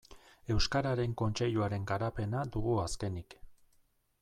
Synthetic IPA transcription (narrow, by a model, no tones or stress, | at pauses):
e̞wskaɾaɾe̞ŋko̞nt͡ʃe̞ʎuaɾe̞ŋɡaɾape̞nad̪uɣuaske̞nik